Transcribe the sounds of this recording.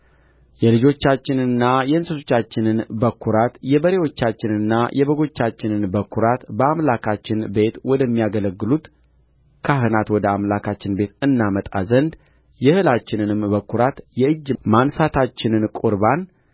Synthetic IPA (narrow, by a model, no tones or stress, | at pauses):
jɛlɨd͡ʒo̞t͡ʃːat͡ʃːɪnɨnːajɛɨnsɨt̪ot͡ʃːat͡ʃːɪnɨnbəkʰːuɾat̪jɛbəɾe̞wo̞t͡ʃːat͡ʃːɪnɨnːajʔɛβəɡo̞t͡ʃːat͡ʃːɪnɨnbəkʰːuɾat̪bəamlakʰat͡ʃːɪnbe̞t̪wɔd̪əmːijaɡələɡːɨlut̪ | kʰaɦɨnat̪wɔd̪əamlakʰat͡ʃːɪnbe̞t̪ɨnːamət̪ʼa̰zənd̪ | jɛhɨlat͡ʃːɪnɨnɨmbəkʰːuɾat̪jɛɨd͡ʒːmansat̪ʰat͡ʃːɪnɨnkʼuɾban